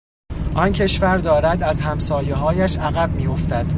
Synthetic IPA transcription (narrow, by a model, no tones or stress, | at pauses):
ʔɒncʰe̞ʃvæɾd̪ɒːɾæd̪æzhæmsɒːje̞ɦɒːjæʃæɣæb̚miːjo̞ft̪æd̪̥